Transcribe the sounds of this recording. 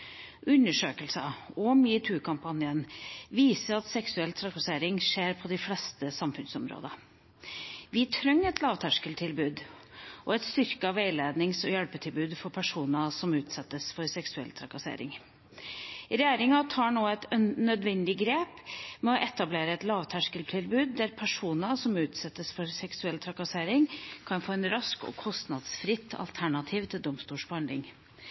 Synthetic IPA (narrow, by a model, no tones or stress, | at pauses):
ʉnːəʂøːkəlsɑɔmɪt̪ʰʉːkʰɑmpʰɑnjənʋiːsəɾɑt̪sɛksʉɛlt̪ʰɾɑkɑseːɾɪŋʂeːɾpʰɔd̪ɪflɛst̪əsɑmfʉnsɔmɾo̰ːd̪ɑ | ʋɪt̪ʰɾœŋːɛt̪lɑːʋt̪ʰæʂkəlt̪ʰɪlbʉːd̪ʔɔɛt̪st̪ʏɾkəɑʋeɪleːd̪nɪŋsɔjɛlpət̪ʰɪlbʉːd̪fɔɾpʰæʂuːnɑsɔmʉːt̪sɛt̪ːəsfɔɾsɛksʉɛ̰lt̪ʰɾɑkɑsḛːɾɪ̰ŋ | ɾɛjeːɾɪŋɑt̪ʰɑːɳoːɛt̪nœd̪ʋɛnd̪ɪɡɾeːpmɛɔʔɛt̪ɑbleːɾəɛt̪lɑːʋt̪ʰæʂkəlt̪ʰɪlbʉːd̪̚d̪æɾpʰæʂuːnɑsɔmʉːt̪sɛt̪ːəsfɔɾsɛksʉɛlːt̪ʰɾɑkɑseːɾɪŋkʰɑnfoːɛnɾɑskɔ̰kʰɔst̪nɑd̪sfɾɪt̪ʰːɑ̰lt̪ʰæɳɑt̪ʰiːʋt̪ʰɪld̪ɔmst̪uːʂbɔhɑnd̪lɪ̰ŋ